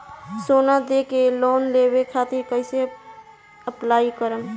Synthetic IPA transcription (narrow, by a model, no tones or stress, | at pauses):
soːnad̪ekeloːnlebekʰat̪ɪɾkəɪse | əplaːikəɾəm